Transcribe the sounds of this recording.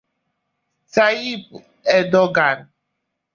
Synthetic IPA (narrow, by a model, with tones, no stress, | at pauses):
sa˦ji˦p̚ | ɛ˨dɔ˦ɡa˨n